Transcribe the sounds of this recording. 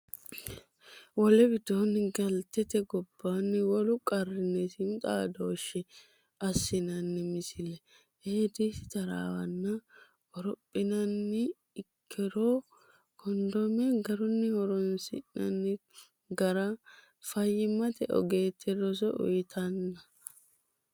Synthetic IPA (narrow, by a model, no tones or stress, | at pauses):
wɔlɛbɪd̪oːnːɪɡɐlt̪ɛt̪ɛɡɔbːaːnːɪwɔlʊkʼɐrːɪnɛsɪnt̪ʼaːd̪oːʃɛ | ɐsːɪnɐnːɪmɪsɪlɛ | heːd̪isɪ̥t̪ɐɾa̰ːwɐ̰nːɐ | ɔɾɔpʼːɪnɐnːɪː | kʰːɛɾoː | kʰɔnd̪ɔmɛɡɐɾɔnːɪhɔɾɔnsɪ̰ʔnɐ̰nːɪ | ɡɐɾɐ | fɐjːɪmːɐt̪ɛɔ̰ɡeːt̪ʰːɛɾɔs̬ɔʔʊ̰jɪt̪ʰɐnːɐ